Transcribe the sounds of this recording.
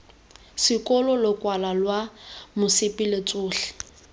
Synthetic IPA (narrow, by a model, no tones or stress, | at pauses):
sɪkʼɔlɔlʊkʼwalalwamʊsɪpʼilet͡sʼʊːɬɪ̥